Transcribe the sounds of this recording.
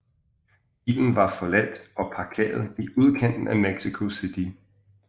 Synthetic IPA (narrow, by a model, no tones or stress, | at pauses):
b̥ḭːln̩ʋɑ̈fɒ̽læd̥ɒ̽pʰɑ̈kʰḛːɐð̞̩ˠiʔuð̞ˠkʰæn̰d̥n̩æmeɡ̥sikʰo̝sid̥i